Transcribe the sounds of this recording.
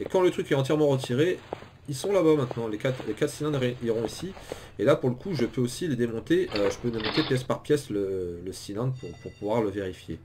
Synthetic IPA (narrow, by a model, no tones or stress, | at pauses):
ekɑ̃lət̪χykɛɑ̃t̪̬jɛʁmɑ̃ʁət̪ʰiʁe | ilsɔ̃labamɛ̃t̪nɑ̃lekat̪χlekat̪χsilɛ̃d̪ʁeiʁɔ̃isi | elapuʁləkʰuʒəpøosiləd̪emɔ̃t̪eʔøʒəpød̪emɔ̃t̪epjɛspaʁpjɛslələsilɛ̃d̪puʁpuʁpuvwaʁləveʁifjḛ